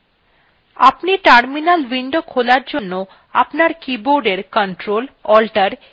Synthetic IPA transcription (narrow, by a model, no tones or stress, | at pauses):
a̰pniʈaɾminalwiɳɖokʰolaɾd͡ʑonːo | apnaɾkiboɾɖeɾkəɳʈɾolɔlʈaɾ